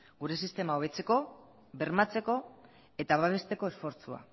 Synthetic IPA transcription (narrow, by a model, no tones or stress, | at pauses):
ɡuɾe̞sist̪e̞maoβe̞t͡se̞ko̞ | βe̞ɾmat͡se̞ko̞ | e̞t̪aβaβ̞e̞st̪e̞ko̞e̞sfo̞ɾt͡sua̰